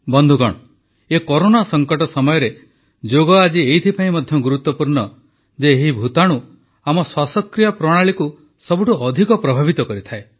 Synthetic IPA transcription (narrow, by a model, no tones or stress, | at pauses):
bɔnd̪ʱuɡɔ̰ɽ̃ɔ | ekɔɾonasɔŋkɔʈɔsɔmɔjɔɾe | d͡ʒoɡɔad͡ʒieɦit̪ʰipaĩmɔd̪ʱjɔɡuɾut̪ːɔpuɾɳɔ | d͡ʒeɦibʱut̪aɽ̃u | amɔswasɔkɾijɔpɾɔɽ̃aɭiku | sɔbuʈuʔɔd̪ʱikɔpɾɔbʱabit̪ɔkɔɾit̪ʰae